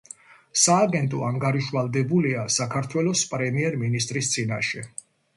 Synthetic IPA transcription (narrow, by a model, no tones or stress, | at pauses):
saːɡɛnt̪ʼɔaŋɡaɾiʃvalˠd̪ɛbuliasakʰaɾt̪ʰwɛlɔspʼɾɛmiɛɾminist̪ʼɾist̪sʼina̰ʃɛ